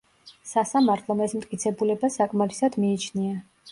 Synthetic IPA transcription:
sasamaɾt̪ʰlˠɔmɛsmt̪ʼkʼit̪sʰɛbulɛbasakʼmaɾisad̪miːt͡ʃʰnia

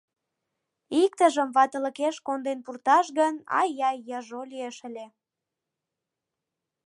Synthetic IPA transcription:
ik̚t̪əʒəmβɑt̪ə̆ləkeʃkond̪enpurt̪ɑʃɣənɑ̰jjɑjjɑʒolieʃəlʲe

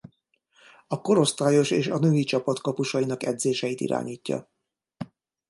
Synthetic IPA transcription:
ɒko̞ɾo̞st̪aːjo̞ʃeːʃɒnøːit͡ʃɒpɒt̪kɒpuʃɒjinɒkɛd̪zeːʃɛjit̪ḭɾa̰ːɲiːcːɒ̰

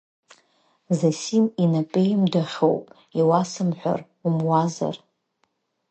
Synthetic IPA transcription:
zasiminapʼejmdaχʲowpʼ | iwasɨmħʷᶣa̰r | umwaza̰r

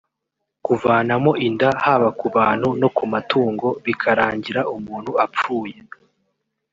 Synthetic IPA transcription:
kuvaːnamo̞ʔindahaβakuβaːn̥huno̞kumatuːŋɡo̞βikʰaɾaːɲɟiɾaʔumuːn̥huap͡fuːje̞

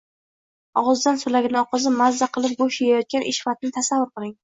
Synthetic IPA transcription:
ɒʁɑzd̪ansʊlaɡʲɪnɪɒqʰɑzɪmazːaqʰɨlˠɪp̚ɡoʃajajɒt̪̚kʲanʔɪ̰ʃfat̪ɪnɪt̪ʰasavːʊɾqɨlˠɪŋ

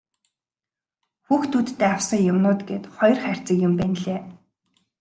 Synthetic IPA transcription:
xuːxt̪ʰut̪ːeːaw̥sə̆ŋjʊmnʊːt̪ɡeːt̪χɔj̆rχær̥ʲt͡sə̆kjʊmpæːnɮeː

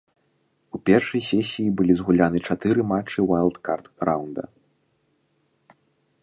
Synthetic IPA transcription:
upʲɛrʂɐjsʲɛsʲijibɨlʲizɣulʲanɨt͡ʂat̪ɨɾɨmat͡ʂːɨwajlˠt̪kart̪ɾʔawnd̪ɐ̰

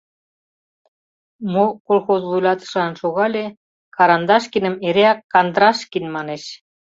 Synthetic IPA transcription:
mokolxozlujlʲɑt̪ə̥̆ʃlɑnʃoɣɑlʲe | kɑɾɑnd̪ɑʃkinəmeɾeɑkːɑnd̪ɾɑʃkinmɑneʃ

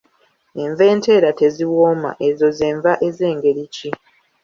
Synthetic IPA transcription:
e̞ɱve̞ːnte̞ːɾate̞ziwoːma̰ʔe̞zo̞zeːɱvaʔe̞ze̞ːŋɡe̞ɾici

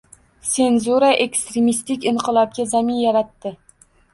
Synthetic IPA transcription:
se̞nzuɾaʔekst̪ɾemist̪ɪkʲɪɴqʰɨlˠɒp̚ɡʲazamɪnjaɾat̪ːɪ

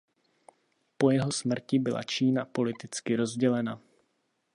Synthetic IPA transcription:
po̞jɛɦo̞smr̩cɪbɪla̰t͡ʃiːnapo̞lɪt̪ɪt͡skɪɾo̞zɟɛlɛna

